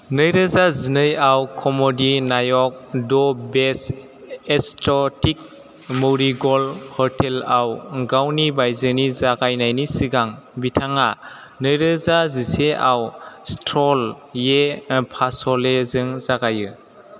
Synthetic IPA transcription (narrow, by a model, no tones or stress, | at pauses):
nɯjɾɯzazinɯjawkʰɔmɔdinajɔk̚dɔbes | estɔtik̚ | mɔwɾiɡɔlhɔɾtʰelawɡawnibajzɯnizaɡajnajnisiɡaŋbitʰaŋa | nɯjɾɯzaziseʔawstɾɔl | jepʰasɔlezɯŋzaɡajɯ